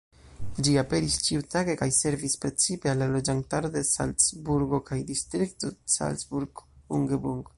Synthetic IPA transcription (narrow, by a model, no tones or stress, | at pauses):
d͡ʒiape̞ɾist͡ʃiutaɡe̞kajse̞ɾvispɾe̞t͡sipe̞alːalo̞d͡ʒantaɾode̞sa̰lt͡sbuɾɡo̞kajdistɾik̚to̞sa̰lt͡sbuɾɡouŋɡebuŋɡ